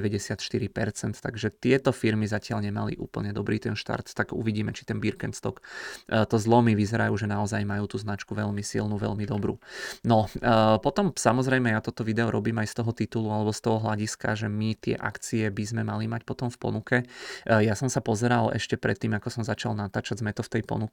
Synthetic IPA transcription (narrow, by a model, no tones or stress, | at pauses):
ɛʋɛɟɛsɪat̪ʃt̪iɾipɛ̰ɾt͡sɛnt̪t̪aɡʒɛt̪ɪɛt̪ɔfiɾmizacɪalɲɛmalḭʔṵːpl̩ɲɛd̪ɔbɾiːt̪ɛnʃt̪a̰ɾt̪ːaɡṵʋiɟiːmɛt͡ʃi̥t̪ɛnbiɾkɛnt̪st̪ɔkːt̪ɔzlˠɔmiʋizɛɾajuːʒɛnaɔzajmajuːt̪uːznat͡ʃkuʋɛʎmisḭlnuʋɛ̰lmid̪ɔbɾṵnɔpɔt̪ɔmsamɔzɾɛjmɛjat̪ɔt̪ɔʋid̪ɛɔɾɔbiːmajst̪ɔɦɔt̪it̪ulualɛbɔst̪ɔɦɔɦlaɟiska̰ʒɛmit̪ɪɛ̰ʔa̰kt͡siɛbizmɛmalimacpɔt̪ɔmfpɔ̰nukɛjasɔmsapɔzɛɾalɛ̰ʃcɛpɾɛt̪ːiːmakɔsɔmzat͡ʃalnat̪aːt͡ʃaɟzmɛt̪ɔft̪ɛjpɔ̰nuk